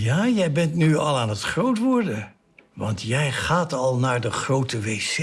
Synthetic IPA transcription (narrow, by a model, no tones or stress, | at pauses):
jaːjɛjbɛntnyɑlˠaːnətχrowtʋʊɹdə | ʋɑ̰ntjɛjχaːtɑlˠnaːɹdəχrowtəʋejs